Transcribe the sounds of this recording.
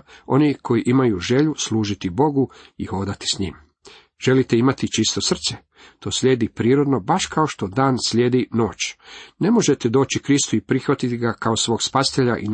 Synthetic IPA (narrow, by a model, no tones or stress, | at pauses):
o̞̰nikʰo̞jiʔimajuʒe̞ʎusluːʒit̪ibo̞ɡuixo̞ːd̪at̪i̥sɲḭːm | ʒ̥e̞lit̪eimat̪it͡ʃist̪o̞sr̩t̪se | t̪ʰo̞ːslʎʲe̞ːd̪ipɾiːɾo̞d̪no̞baʃkao̞ʃt̪o̞d̪aːnsʎeːd̪ino̞ːt͡ɕne̞mo̞ʒe̞t̪ed̪o̞ːt͡ɕikɾist̪uipɾixʋat̪it̪iɡakaosʋo̞ːɡspasi̥t̪eʎa̰ʔḭn